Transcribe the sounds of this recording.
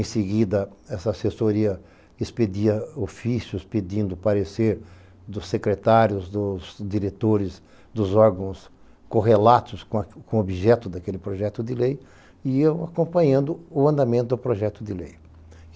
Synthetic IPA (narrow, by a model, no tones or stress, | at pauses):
ẽseɡid̪ɐɛsɐːsesoɾiɐ | ɪsped̪iɐofisjʊsped̪ĩnd̪ʊpaɾeseɾ | d̪ʊsːekɾet̪aɾjʊzd̪ʊzd̪iɾet̪oɾɪz | d̪ʊzɔɾɡɐ̃w̃s | koɦelat̪ʊskõkõobiʒɛt̪ʊd̪ɐkelɪpɾoʒɛt̪ʊd̪ɪlej | iiɐwakõpɐ̃ɲɐ̃nd̪ʊʊɐ̃nd̪amẽt̪ʊd̪ʊpɾoʒɛt̪ʊd̪ɪlej